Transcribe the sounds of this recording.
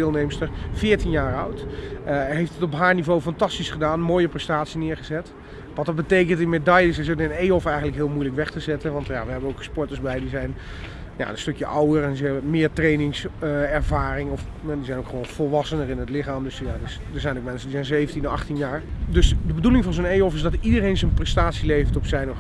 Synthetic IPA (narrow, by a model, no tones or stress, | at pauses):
ɪːlˠnejmstəɹfɪːɹtinjaːɹœɥt | ɦejftətɔpɦaːɹnivowfɑntɑstisχədaːnmoːjəprɛstaːtsinɪːɹχəzɛt | ʋɑtdɑt̚bətejk̬əntɪnmedɑjəsɪsətɪnejɔfɛjχəntləkɦɪːlˠmujləkʋɛχtəzɛtənʋɑntja̰ʋəɦɛbənowkspɔɹtəzbɛjdizɛjn | ja̰ənstɵkjəʔɑwəɹɛnzəɛbəmɪːɹtrejnɪŋsɛɹvaːrɪŋɔf | ɛdizɛjnokχəʋownv̥ɔlˠʋɑsənəɹɪnətlɪχaːmdɵsjadɪsdəɹzɛjnokmɛnsəndizɛjnzejvəntinɔɑχtinjaːɹdɵsdəbədulɪŋvɑnzonejɔfɪzdɑtidərejnzənprɛstaːtsilejfətɔpsɛjnɔχ